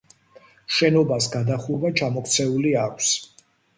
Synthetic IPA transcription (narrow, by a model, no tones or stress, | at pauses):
ʃɛnɔbasɡad̪aχuvat͡ʃʰamɔkʰt̪sʰɛuliakʷʰs